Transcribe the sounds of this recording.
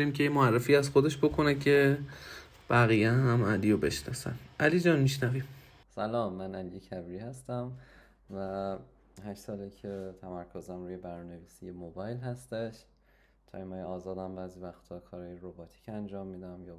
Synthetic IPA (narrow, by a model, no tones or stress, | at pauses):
ɾimcʰejemoærːefiːæzxod̪e̞ʃbo̞kʰonecʰe̞ | b̥æɣijeɦæmælijobe̞ʃnɒ̰sæ̰nʔælid͡ʒɒːnmiʃnævim | sælɒːmːænænd̪iecʰæbiɾiːhæst̪æm | væ | hæʃsɒːlicʰet̪ʰæmæɾkʰozæmɾuːjebæɾune̞viːsijemobɒːjlhæst̪eʃ | t̪ʰɒ̰ːjmɒːjeɒːzɒːd̪æmbæːzivæxt̪ʰɒːkʰɒːɾɒːjeɾobɒːt̪ʰi̥ːcʰænd͡ʒɒːmːiːd̪æmjɒː